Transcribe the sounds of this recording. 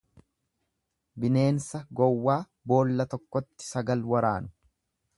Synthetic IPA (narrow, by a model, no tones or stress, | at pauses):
bɪne̞ːnsɐɡɔwːaː | bo̞ːlːɐt̪ɔkːɔt̪ːɪ̥sɐɡɐlwɐɾaːnʊ̥